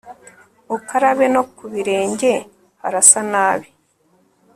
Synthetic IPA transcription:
ukaɾaβeno̞kuβiɾe̞ːɲɟe̞ | haɾasanaːβi

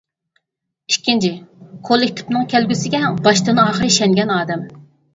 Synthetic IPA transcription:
ikʲʰːint͡ʃʰɪkʰolˠɪkʲt̪ʰɪ̥pnɨŋkʲʰɛlɡʲysɪɡʲɛbɑʃt̪ɨnɑːχəɾɨiʃɛŋɡʲɛnɑːd̪ɛm

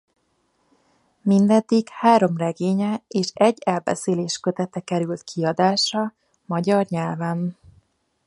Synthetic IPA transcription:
mind̪ɛd̪ːikhaːɾo̞mrɛɡeːɲɛeːʃɛɟːɛlbɛ̰seːleːʃkøt̪ɛt̪ɛkɛɾylt̪kʰiɒd̪aːʃrɒ | mɒɟɒrɲɛlvɛn

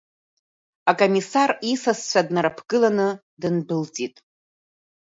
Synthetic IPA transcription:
akʼomisarisast͡ʃʷʰadnaɾapʰɡɨlanɨ | dɨnbɨlt͡sʼitʼ

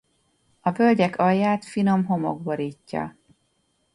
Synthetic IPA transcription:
ɒvølɟɛkɒjːaːt̪fino̞mɦo̞mo̰ɡboɾiːcːɒ̰

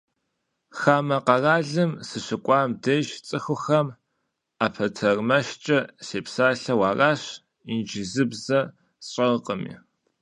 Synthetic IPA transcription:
xaːmɐqɐraːɮɨmsɨɕɨkʷʼɑːmdejʃt͡sʼɨxʷʊxɐm | aːpʰɐtʰɐrmɐʃt͡ʃʼɐseːpsaːɬɐwaːraːɕ | ind͡ʒɪzɨbzɐ | ɕʼɐʁəqʼəmḭː

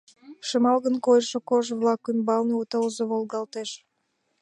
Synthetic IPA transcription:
ʃəmɑlɣənkojəʃokoʒβlɑkymbɑlneut̪əlzoβolɡɑlt̪eʃ

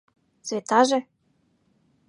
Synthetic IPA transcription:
t͡svet̪ɑʒe

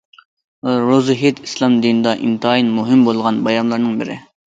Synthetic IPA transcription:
ɾozɨɦet̪islˠɑmd̪inɨd̪ɑʔḭnt̪ɨɑinmuɦɪmbolˠʁɑnbɑjɑmlˠɑɾnɨŋbɪɾɪ̰

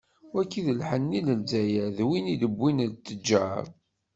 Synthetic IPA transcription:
wækːiðəlħənːiləlzæjæðwiniləbːint͡s̪ːəd͡ʒːaɾ

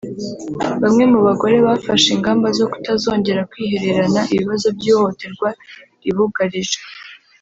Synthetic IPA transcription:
βamŋe̞muβaɡo̞ɾe̞βaːfaʃiŋɡaːmbazo̞ku̥tazo̞ːɲɟe̞ɾakwiːhe̞ɾe̞ɾanaʔiβiβazo̞bjiːohote̞ɾɡwa | iβuɡaɾiʒe

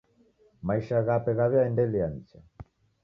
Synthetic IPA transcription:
maiʃaɣapɛɣaβɛaɛndɛlianit͡ʃa

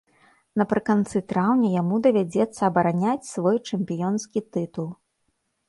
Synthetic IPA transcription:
nɐpɾɨkant̪sɨt̪ɾawnʲɐjamud̪ɐvʲad͡zʲɛt̪sːɐːbɐɾanʲat͡sʲsvɔjt͡ʂɛmpʲijɔnskʲit̪ɨt̪ulˠ

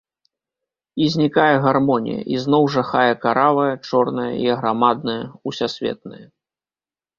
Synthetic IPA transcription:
izʲnʲikajɛɣarmɔnʲḭjɐ̰ʔiznɔwʐaxajɐkaɾavɐjɐt͡ʂɔrnɐjɐ̰iɐɣɾamad̪̚nɐjɐusʲasʲvʲɛ̰t̪̚nɨ̰jɐ

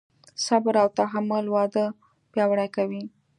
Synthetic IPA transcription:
sabɾawt̪aɦamʊlwɑd̪ə | pjɑwɽakawi

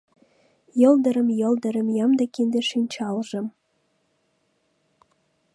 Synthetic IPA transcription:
jɤ̆ld̪ɤ̆ɾə̆mjɤ̆ld̪ɤ̆ɾə̆mjɑmd̪ɑkind̪eʃinʲt͡ɕɑlʒɤ̆m

